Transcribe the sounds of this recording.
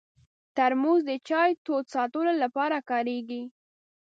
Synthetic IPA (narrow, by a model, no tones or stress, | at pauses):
t̪aɾmuzd̪ət͡ʃɑjt̪od̪sɑt̪əlolapɑɾakɑɾeɡi